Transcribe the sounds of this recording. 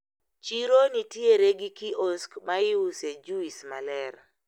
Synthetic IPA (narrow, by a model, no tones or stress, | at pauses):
t͡ʃiɾonitjeɾeɡikiʔɔskmaɪused͡ʒuismalɛɾ